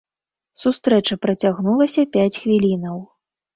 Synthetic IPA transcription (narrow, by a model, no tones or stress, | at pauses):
sust̪ɾɛt͡ʂɐpɾɐt͡sʲaɣnulˠɐsʲɐpʲat͡sʲxvʲilʲinɐw